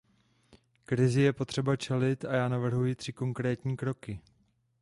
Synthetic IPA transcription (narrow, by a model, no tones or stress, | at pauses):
kɾɪzɪjɛpo̞t̪r̥ɛbat͡ʃɛlɪt̪ajaːnavr̩ɦujɪt̪r̥ɪko̞ŋkɾɛːt̪ɲiːkɾo̞kɪ